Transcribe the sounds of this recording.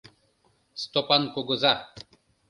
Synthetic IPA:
st̪ɔpankɔɡɔza

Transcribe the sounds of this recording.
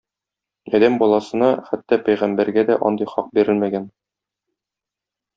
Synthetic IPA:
ɒd̪æmbɒlˠɑsɤ̆nɑχæt̪ːɒpæjʁæmbæɾɡæd̪æʔɒnd̪ɤjχɒq̚biɾɘlmæɡæn

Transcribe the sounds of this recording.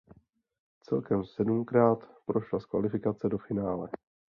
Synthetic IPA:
t͡sɛ̰lkɛmsɛdumkɾaːt̪pɾo̞ʃlaskva̰lɪfɪkat͡sɛdo̞fɪnaːlɛ

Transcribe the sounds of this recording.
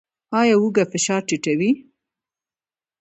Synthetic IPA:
ɑjɑuɡafɪʃɑɾʈiʈawi

